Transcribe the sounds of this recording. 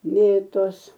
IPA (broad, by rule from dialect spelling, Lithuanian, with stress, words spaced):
ˈmʲeːtoːs